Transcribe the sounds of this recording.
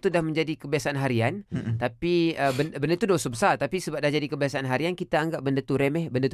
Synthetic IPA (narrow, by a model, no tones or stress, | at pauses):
t̪udahmə̃ɲd͡ʒadikəbiasaʔanɦaɾiant̪apiəbənbəndət̪udosobəsart̪apisəbap̚dahd͡ʒadikəbiasaanɦaɾiankit̪aːŋɡaʔ̚bəndət̪uɾemɛhbəndət̪